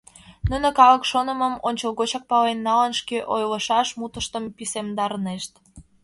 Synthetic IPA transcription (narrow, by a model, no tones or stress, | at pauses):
nunə̆kɑləkʃonəməmonʲt͡ɕəlɣot͡ɕɑk̚pɑlenːɑlənʃkeʔojləʃɑʃmut̪əʃt̪əmpisemd̪ɑɾneʃt̪